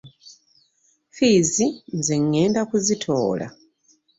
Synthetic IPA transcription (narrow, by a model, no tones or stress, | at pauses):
fiːzinzeŋːe̞ːndakuzitʰo̞̰ːla̰